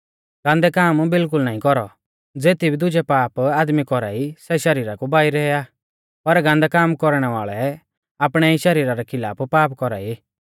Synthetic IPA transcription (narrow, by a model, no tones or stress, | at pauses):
ɡ̥ãːnd̪ɛkaːmbɪlk̬ʊlnaːĩkɔɾɔ | d͡zeːt̪ʰibʱid̪ʊd͡ʒɛpaːpaːd̪mikɔɾa̰ːisɛʃɐɾiːɾakubaːiɾɛja | pɐɾɡãːnd̪ɛkaːmkɔɾɽ̃ɛʋaːɭɛ | aːpɽ̃ɛiʃɐɾiːɾaɾɛkʰɪla̰ːpʰpaːpkɔɾa̰ːi